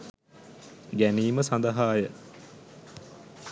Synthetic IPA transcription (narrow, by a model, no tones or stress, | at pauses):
ɡæniːməsand̪ɐɦaːjə